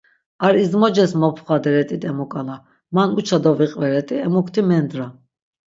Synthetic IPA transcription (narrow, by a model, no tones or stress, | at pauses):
aɾizmɔd͡ʒɛsmɔpʰχad̪ɛɾɛt̪ʼit̪ʼɛmɔkʼala | manut͡ʃʰad̪ɔviqʼvɛɾɛt̪ʼiɛmukʰt̪ʰimɛnd̪ɾa